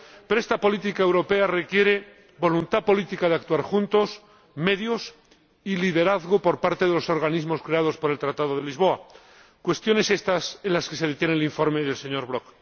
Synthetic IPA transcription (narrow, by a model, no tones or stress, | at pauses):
peɾoe̞st̪apo̞lit̪̬ikaewɾo̞pe̞are̞kje̞ɾe̞ | bo̞lunt̪apo̞lit̪ikaðeak̚t̪uaɾxunt̪o̞s | me̞ðjos | iliðe̞ɾaθɣopo̞ɾpaɾt̪e̞ðe̞lo̞so̞ɾɣanizmo̞skɾe̞að̞o̞spo̞ɾe̞lt̪ɾat̪að̞oð̞e̞lizβo̞a | kwe̞st̪jo̞ne̞se̞st̪asenlaske̞seð̞et̪je̞neliɱfo̞ɾmeðe̞lse̞ɲo̞ɾβɾo̞k